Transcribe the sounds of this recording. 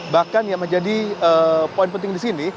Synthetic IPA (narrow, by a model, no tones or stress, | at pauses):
bahkanjaŋməɲd͡ʒadiəːpoɪnpənt̪ɪŋdisini